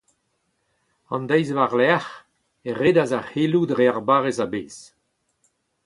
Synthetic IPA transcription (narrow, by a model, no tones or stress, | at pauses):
ɑ̰̃nd̪ɛjzvaʁlɛaχ | eʁeːdazaheːludʁeaʁbaːʁezabeːs